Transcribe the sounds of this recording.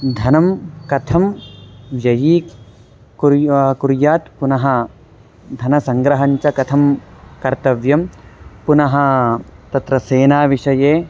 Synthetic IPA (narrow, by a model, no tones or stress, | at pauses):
d̪ʱɐnɐmkɐt̪ʰɐm | jɐjiː | kuɾjaːt̪punɐɦɐ̆ | d̪ʱɐnɐsɐŋɡɾɐɦɐɲt͡ʃɐkɐt̪ʰɐmkɐɾt̪ɐʋjɐmpunɐɦɐ̆t̪ɐt̪ɾɐseːnaːʋiʂɐjeː